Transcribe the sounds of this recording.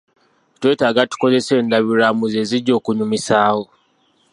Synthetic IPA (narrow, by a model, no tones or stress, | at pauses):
twe̞ːtaːɡatu̥ko̞ze̞se̞ːndaβiɾamuze̞ːziɟo̞ːkuɲumisaːho̞